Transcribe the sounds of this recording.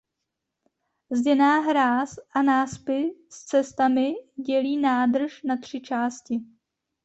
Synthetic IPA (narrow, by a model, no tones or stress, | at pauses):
zɟɛnaːɦɾaːsʔanaːspɪst͡sɛst̪amɪɟɛliːnaːdr̩ʃnat̪r̝̥ɪt͡ʃaːscɪ